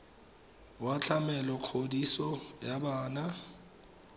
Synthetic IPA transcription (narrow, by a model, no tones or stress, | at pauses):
wat͡ɬʰamɛlɔkʰodisɔjabaːna